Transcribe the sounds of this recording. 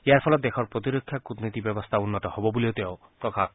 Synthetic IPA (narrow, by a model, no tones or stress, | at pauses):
eaɾpʰɔlɔt̪̚d̪exʰɔɾpɾot̪iɾokʰːjakut̪nit̪ibjɛbɔst̪ʰaunːɔt̪ɔhɔbɔbuliot̪eo | pɾɔkʰak